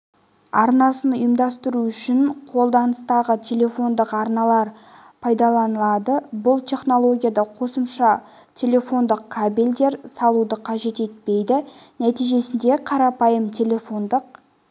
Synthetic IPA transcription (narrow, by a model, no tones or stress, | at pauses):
ɑ̰ɾnɑsənʊjəmd̪ɑst̪əɾuʏʃɪɴqʰo̞lˠd̪ɑnəst̪ɑʁət̪ʲʰe̞lʲe̞fo̞nd̪əqɑɾnɑlˠɑɾ | pʰɑjd̪ɑlˠɑnəlˠɑd̪əbʊlˠt̪ʰʲe̞χno̞lˠo̞ɡʲijad̪ɑqʰo̞səmʃɑ | t̪ʲʰe̞lʲe̞fo̞nd̪əq̚kʰabilʲd̪e̞ɾsɑlˠud̪əqʰɑʒe̞t̪e̞t̪̚pe̞jd̪ɪnæt̪ijʒe̞sɪnd̪e̞qʰɑɾɑpɑjəmt̪ʲʰe̞lʲe̞fo̞nd̪əq̚